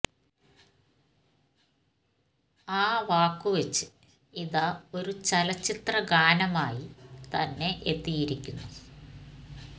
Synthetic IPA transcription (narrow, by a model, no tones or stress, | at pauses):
aːʋaːkːuʋet͡ɕːɨ̥ | iðao̞ɾut͡ɕɐlɐt͡ɕːit̪rɐɡaːnɐmaːjit̪ɐnːe̞ʔet̪ːijiɾikʲːunːu